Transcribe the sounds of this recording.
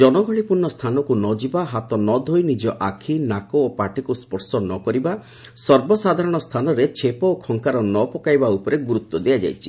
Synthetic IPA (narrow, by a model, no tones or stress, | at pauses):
d͡ʒɔnɔɡʱɔɭipuɾnɔst̪ʰanɔkunɔd͡ʒibaɦat̪ɔnɔd̪ʱojnid͡ʒɔʔakʰinakɔːpaʈikuspɔɾsɔnɔkɔɾiba | sɔɾbɔsad̪ʱaɾɔɽ̃ɔst̪ʰanɔɾet͡ʃʰepɔːkʰɔŋkaɾɔnɔpɔkajbaupɔɾeɡuɾut̪wɔd̪iad͡ʒa̰jt͡ʃʰi̥